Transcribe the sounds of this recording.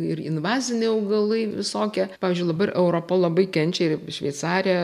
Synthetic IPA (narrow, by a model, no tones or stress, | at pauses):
ɪrɪnʋɑːzʲɪnʲeːɐʊɡɐlˠɐɪʋʲɪsoːkʲɛpɑːʋʲizʲd͡ʒʲʊɪd̪ɐbɐrʔɛʊɾoːpɐlˠɐbɐɪkʲɛnʲt͡ʃʲɛɪʃʲʋʲɛɪt̪sɑːɾʲɛ